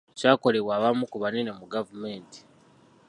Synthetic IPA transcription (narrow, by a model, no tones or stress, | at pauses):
t͡ʃaːko̞le̞βwaːβamukuβanenemuɡavumeːnti̥